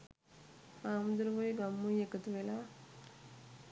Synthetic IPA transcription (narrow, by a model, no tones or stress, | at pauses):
aːmd̪uɾʋoiɡamːuekət̪uʋela